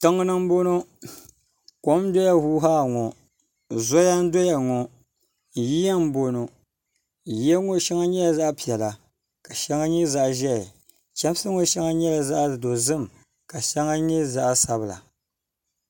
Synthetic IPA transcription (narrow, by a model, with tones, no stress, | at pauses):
tɨ˦ŋːɨ˦nɨ˦m˦bo˦no˦ | ko˦mdo˦ja˦huː˦ɦaː˦˨ŋɔ˨ | zɔ˦ja˦n̩˦do˦ja˨ŋɔ˨ | ji˦ja˦m̩˦bo˦no˨ | ji˦a˦ŋo˦ʃɛ˦ŋa˦ɲɛ˦la˨za˦ʔpi˨ɛ˨la˨ | ka˨ʃɛ˦ŋa˦ɲɛ˦za˦ʔʒɛ˦ɪ˨ | t͡ʃɛ˦m˦sɨ˦ŋo˨˦ʃɛ˦ŋa˦ɲɛ˦la˨za˦ʔdo˨zɨ˦˨m˨ | ka˨ʃɛ˦ŋa˦ɲɛ˦za˦ʔsa˨bɨ˨la̰˨